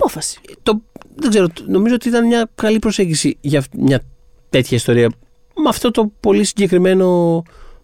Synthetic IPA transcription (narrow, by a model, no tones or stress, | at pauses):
ɐpofɐsi̥t̪o̞ðeɡze̞ɾono̞mizoot̪iit̪ɐnmɲɐkɐlipɾo̞se̞ɲɟisiʝɐmɲɐ | t̪e̞t̪çɐist̪o̞ɾiɐ | mɐft̪o̞t̪o̞po̞lisiɲɟe̞kɾime̞no̞